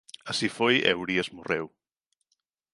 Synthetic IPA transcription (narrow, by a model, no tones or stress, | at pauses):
asifojḛwɾiazmorew